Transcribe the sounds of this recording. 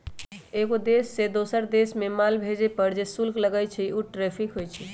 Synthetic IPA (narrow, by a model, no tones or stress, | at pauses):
eɡod̪esːed̪osəɾd̪esmemalbʱed͡ʒepəɾd͡ʒesulkləɡət͡ʃʰiuʈɾepʰikɦojt͡ʃʰi